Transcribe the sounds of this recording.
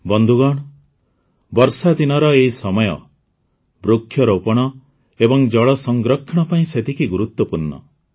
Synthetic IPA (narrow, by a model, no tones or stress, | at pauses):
bɔnd̪ʱuɡɔɽ̃ɔ | bɔɾsad̪inɔɾɔeisɔmɔjɔ̰ | bɾukʰːjɔɾɔupɔɽ̃ɔ | ebɔŋd͡ʒɔɭɔsɔŋɡɾɔkʰːɔɽ̃ɔpaĩset̪ikiɡuɾut̪wɔpuɾnːɔ̰